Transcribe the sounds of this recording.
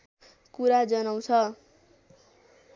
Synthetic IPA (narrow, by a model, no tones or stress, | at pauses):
kuɾad͡zʌnaw̃t͡sʰʌ